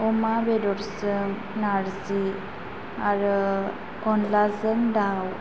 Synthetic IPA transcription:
ɔmabedɔɾsɯŋ | naɾzi | aɾɯ | kɔnlazəndaw

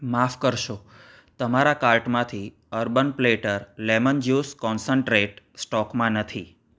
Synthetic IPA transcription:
mafkəɾʃo | t̪əmaɾakalʈmãt̪ʰi | əɾbənpleʈəɾlemənd͡ʒjuskɔnsəɳʈɾeʈ | sʈɔkmãnət̪ʰi

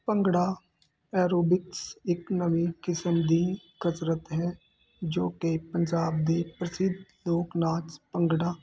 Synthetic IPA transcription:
pəŋɡɽaː | ɛːɾoːbɪksɪknəʋĩːkɪsəmd̪iːkəsɾət̪ɦɛː | d͡ʒoːkepəɲd͡ʒaːb̚d̪eːpɾəsɪd̪loːknãːt͡ʃpəŋɡɽaː

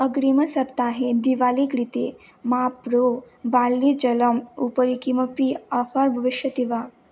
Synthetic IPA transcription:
əɡɽimɐsɐp̚t̪aːɦed̪iʋalikɾit̪emapɾo | ʋaɽlid͡ʒɐləmupəɾikiməpiafaɾbʱɐʋiʃjɐt̪iʋa

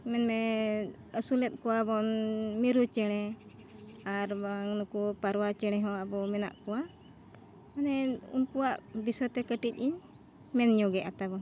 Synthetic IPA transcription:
mɛnmɛ | əsulɛt̪̚ˀkɔwabɔnmiɾut͡ʃɛɽ̃ɛ | aɾbaŋnukupaɾwat͡ʃɛɽ̃ɛ̃ɦɔ̃abɔmɛna̰ʔkɔwa | manɛṵnkuwaʔbisɔt̪ɛkəʈic̚iɲ | mɛnɲɔɡɛʔat̪abɔn

